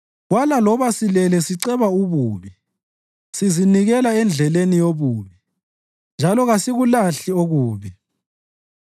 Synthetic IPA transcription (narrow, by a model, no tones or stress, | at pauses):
ɣwalalɔβasilɛlɛsiǀɛβauβuːβi | siziniɣɛlaɛnd͡ɮʱɛlenijoβuːβi | nd͡ʒʱalɔɣasiɣulaɬioɣuːβi